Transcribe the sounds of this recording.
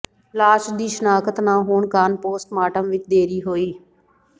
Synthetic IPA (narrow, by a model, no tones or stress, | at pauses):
laːʃd̪iːʃnaːkət̪nãːɦoːɳkaːnpoːsʈmaːʈəmʋɪt͡ʃd̪eːɾiːɦoːiː